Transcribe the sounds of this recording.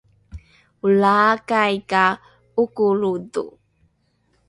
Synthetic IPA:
ulakajka | ukuɾudṵ

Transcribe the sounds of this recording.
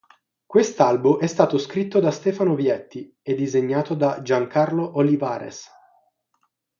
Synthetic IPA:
kwest̪albumʔɛst̪aːt̪oskɾit̪ːod̪ast̪ɛːfanovjɛt̪ːi | ed̪ːizeɲːaːt̪od̪ad͡ʒaŋkʰarloʔoliva̰ːɾḛs

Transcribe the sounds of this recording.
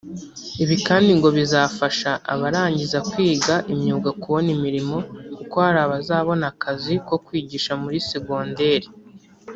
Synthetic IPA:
iβikaːndiŋɡo̞βizaːfaʃaʔa̰βaɾaːɲɟizakwiːɡaʔimɲuːɡakuβo̞nimiɾimo̞kuko̞haɾaːβazaːβo̞nakʰaziko̞kwiːɟiːʃamuɾisiɡo̞ːnde̞ɾi

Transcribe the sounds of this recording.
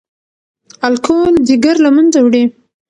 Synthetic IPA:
alkʰoldiɡaɾlamanzawɽi

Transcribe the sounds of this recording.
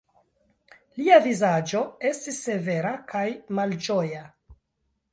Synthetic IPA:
liavizad͡ʒo̞e̞stisːe̞ve̞ɾakʰajmald͡ʒoja

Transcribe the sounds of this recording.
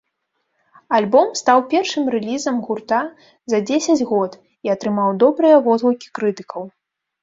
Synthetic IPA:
alʲbɔmst̪awpʲɛrʂɨmrɛlʲizɐmɣurt̪a | zɐd͡zʲesʲɐd͡zʲɣɔt̪ | iɐt̪ɾɨmawd̪ɔbɾɨjɐvɔzlˠukʲi̥kɾɨt̪ɨ̥kʰɐw

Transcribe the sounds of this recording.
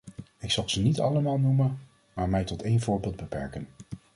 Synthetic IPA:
ɪksɑlˠz̥ənitɑ̰ləmaːlˠnumə | maːɹmɛjtɔtejnvʊːɹbɪːlˠd̚bəpɛ̰ɹkən

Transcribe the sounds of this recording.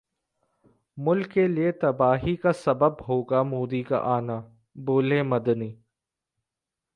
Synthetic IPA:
mʊlkːeliet̪ɐbaːɦikasɐbəbɦoːɡamoːd̪ika̰ʔaːna | boːlẽmɐd̪niː

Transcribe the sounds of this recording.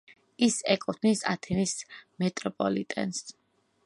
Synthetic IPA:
isɛkʼɔt̪ʰnisa̰t̪ʰɛnismɛt̪ʼɾɔpʼɔlḭt̪ʼɛ̰ns

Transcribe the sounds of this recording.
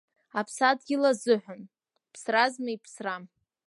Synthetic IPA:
apʰsadɡʲɪlazɨħʷan | pʰsrazmajpʰsram

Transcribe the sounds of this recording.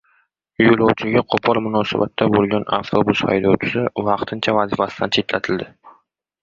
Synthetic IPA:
jolˠɒwt͡ʃʰɪɡʲaqʰopʰɒɾmʊnɒsabat̪ʰːabolˠɡʲanaft̪ʰobusha̰jd̪ɒwt͡ʃʰʊ̥sɪvɑqt̪ʰɪnt͡ʃʰavazifasɪ̥d̪ant͡ʃʰe̞t̪lat̪ʰɪld̪ɪ

